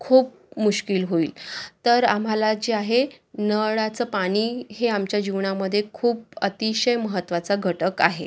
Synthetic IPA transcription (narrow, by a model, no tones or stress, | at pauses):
kʰuːp̚ | muɕkilɦoiːlt̪əɾam̤alad͡ʑeaɦe | nəɭat͡səːpaɽ̃iːɦeamt͡ɕjad͡ʑiʋɳaməd̪ʱːjekʰuːpət̪iɕəjməɦət̪ːʋat͡saɡʱəʈəkaɦḛ